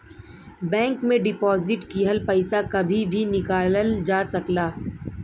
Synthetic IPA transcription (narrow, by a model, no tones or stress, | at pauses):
bɛ̃ːŋkmẽɖɪpɔːzɪʈkiɦɐlpɐɪsakɐbʱibʱinɪkaːləld͡ʒaːsɐklaː